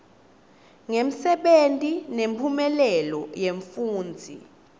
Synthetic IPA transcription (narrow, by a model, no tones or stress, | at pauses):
ŋem̩sɛɓentʼinempʰumɛlɛlɔjeɱfuːnd͡zʱḭ